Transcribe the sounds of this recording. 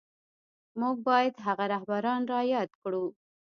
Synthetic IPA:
muɡ̚bɑjad̪ɦaɣaɾahbaɾɑnɾɑjɑd̪kɽu

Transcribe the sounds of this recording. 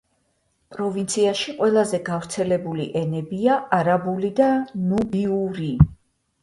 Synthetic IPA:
pʼɾɔvint̪sʰiaʃiqʼwɛlˠazɛɡavɾt̪sʰɛlɛbulḭʔɛnɛbiaaɾabulid̪anubiuɾi

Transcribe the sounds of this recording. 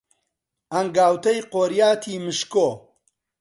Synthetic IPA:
ɐŋɡaːwt̪ɐjqoːɾjaːt̪ʰiːmɨʃkoː

